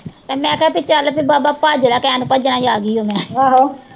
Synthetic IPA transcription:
t̪eːmɛ̃ːkɛpɪt͡ʃəlpʰibaːbaːpaːd͡ʒlaːkɛ̃ːnũːpəd͡ʒnãːd͡ʒaːɡiːɦoːmɛ̃ːaːɦo

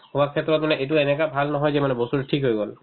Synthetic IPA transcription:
umakʰːɛtɹɔt̚manɛʔejt̬uenɛkabʱalnɔɦɔjzɛmanɛbɔsuɹtʰikɦojɡɔl

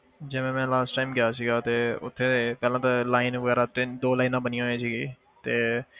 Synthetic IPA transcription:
d͡ʒɪʋẽːmɛ̃ːlaːsʈaːmɡɪjaːsiːɡaːt̪eːʊ̰t̪ʰːeːepɛːlãːt̪alaːɪnʋəɡɛːɾaːt̪ɪnd̪oːlaːinãːbənɪjãːɦoẽːsiːɡiː | t̪eː

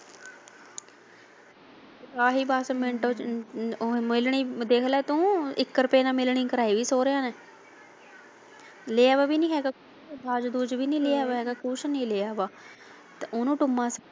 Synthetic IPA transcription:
kaːɦiːbaːsmɪɳʈoː | mɪlɳiːd̪eːkʰlɛːt̪ũːɪkːɾpeːnãːmɪlɳiːkəɾaːiːʋiːsoːɾejãːnɛː | leːaːʋaːbiːnĩːɦɛːɡaːkː | bʱaːd͡ʒd̪uːd͡ʒʋiːnĩːleːaːʋaːɦɛːɡaːkʊːt͡ʃʰnĩːleːaːbaː | t̪eʊnũːʈʊmːãːs

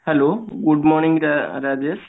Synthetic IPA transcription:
hɛloːɡʊɖmɔːɾnĩŋɡɾɾad͡ʒes

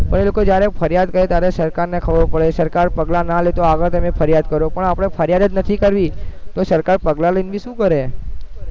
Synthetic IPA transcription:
pəɳelokod͡ʒjaɾefʰəɾjad̪kəɾet̪jaɾesəɾkaɾnekʰəʋopəɭesəɾkaɾpəɡlanalet̪oaɡəɾt̪əmefʰəɾjad̪̚kəɾopəɳapɽ̃efʰəɾjad̪ət̪nət̪ʰikəɾʋit̪osəɾkaɾpəɡlaləinʋiʃũkəɾe

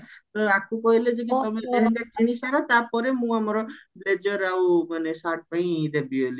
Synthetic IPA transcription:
t̪ɔakʰũkɔɦiled͡ʒek̬it̪ɔmet̪ɔɦãŋkat̪iɽ̃isaɾat̪apɔɾemũamɔɾɔbled͡ʒɔɾaumanesaʈ̚pãĩd̪ebieli

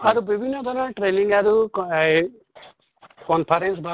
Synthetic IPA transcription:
aɾubibʱinːɔd̪ʱɔɾaʈɾeliŋɡaɾu | kɔnpʰaɾensbʱa

